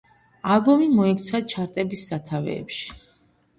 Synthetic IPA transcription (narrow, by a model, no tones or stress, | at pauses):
alˠbɔmimɔɛkt̪sʰat͡ʃʰaɾt̪ʼɛbisːat̪ʰavɛ̰ːpʃi̥